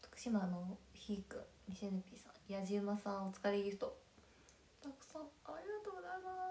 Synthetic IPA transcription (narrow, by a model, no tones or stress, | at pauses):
t̪o̥kɯ̥ɕimanoçiːkɯ̰̃ | ɲʲisenɯpʲiːsã̰jaʑɨːmasãɰ̃ot͡sɨ̥kaɾeiɯ̥t̪o | t̪akɯ̟̥sãaɾʲiɡat̪oɡonama